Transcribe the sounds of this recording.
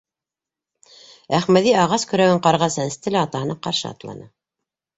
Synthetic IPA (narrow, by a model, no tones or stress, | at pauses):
æχmæðiɑʁɑskɵ̆ɾæwɘɴqɑɾʁɑsænɘ̆st̪ɘ̆læɑt̪ɑɦɤ̆nɑqɑ̰ɾʃɤ̰ɑ̰t̪lˠɑ̰nɤ